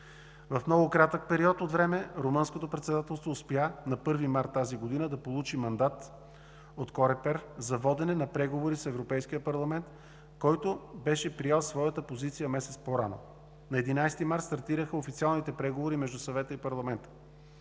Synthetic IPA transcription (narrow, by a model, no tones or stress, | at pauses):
vɐfmnɔɡʊkɾat̪ək̚pɛɾiɔt̪ot̪vɾɛmɛɾomɤnskot̪opɾɛt̪sɛd̪at̪ɛlˠst̪voːspjanɐpɤɾvimaɾt̪ːaziɡod̪inəd̪ɐpolˠut͡ʃimɐnd̪at̪ | ot̪kɔɾɛpɛɾzɐvɔd̪ɛnɛnɐpɾɛɡovoɾisɛvɾopɛjskijəpɐɾlˠɐmɛnt̪ | kɔjt̪obɛʃɛpɾijɛlˠsvɔjət̪əpozit̪sijəmɛsɛt̪spoɾano̰ | nɐɛd̪inajst̪imaɾt̪st̪ɐɾt̪iɾəxəofit̪sialˠnit̪ɛpɾɛɡovoɾimɛʒd̪usɐvɛt̪əipɐɾlˠɐmɛnt̪ə̥